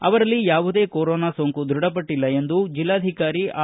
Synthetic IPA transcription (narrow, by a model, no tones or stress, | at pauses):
ɐ̰ʋɐɾɐlːijaːʋud̪e̞ːkoːɾoːnaːsoŋkud̪ɾuɽɐp̬ɐʈːilːɐe̞nd̪ud͡ʒilːaːd̪ʱikaːɾiʔaː